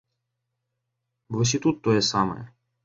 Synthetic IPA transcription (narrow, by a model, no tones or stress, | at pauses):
bʋɔs̬ʲit̪ut̪ːɔjɛsɑmɐ̰jɛ̰